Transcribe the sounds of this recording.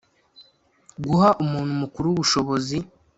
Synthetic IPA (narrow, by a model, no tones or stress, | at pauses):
ɡuhaʔumuːn̤humukuɾuwːβuʃo̞βo̞zi